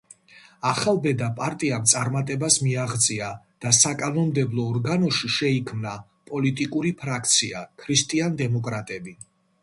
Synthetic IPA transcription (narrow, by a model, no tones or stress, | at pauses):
aχalˠbɛd̪apʼaɾt̪ʼiamt̪sʼaɾmat̪ʼɛbasmiaʁd̪zʼia | d̪̥asakʼanɔmd̪ɛblˠɔːɾɡanɔʃiʃɛikʰmna | pʼɔlit̪ʼikʼuɾipʰɾakʰt̪sʰiakʰɾist̪ʼiand̪ɛmɔkʼɾat̪ʼɛbi